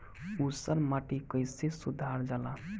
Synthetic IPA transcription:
usəɾmaʈikəjsesud̪ʱaɾd͡ʒala̰

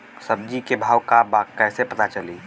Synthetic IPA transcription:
səb̚d͡ʒikebʱaːwkabakɛːsepɐt̪at͡ʃəli

